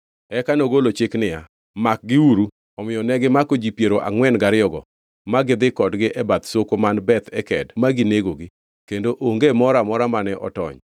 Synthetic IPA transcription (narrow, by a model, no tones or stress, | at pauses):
ɛkanoɡolot͡ʃɪknɪja̰ | mak̚ɡɪuɾu | ɔmɪjɔnɛɡɪmakod͡ʒipjeɾoʔa̰ŋwɛnɡaɾɪjɔɡɔ̰ | maɡɪd̪ɪkɔdɡɪʔɛbat̪sokomanbɛt̪ʰɛkɛdmaɡɪneɡoɡɪ | kendoʔoŋɡemɔɾamɔɾamanɛʔɔ̰tɔ̰ɲ